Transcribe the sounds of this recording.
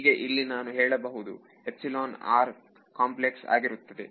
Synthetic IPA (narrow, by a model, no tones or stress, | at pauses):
ɡe̞ʔilːinaːnuɦeːɭɐbɐɦud̪ṵ | e̞psiloːna̰ːɾ | kaːmpleksa̰ːɡiɾut̪ːɐd̪e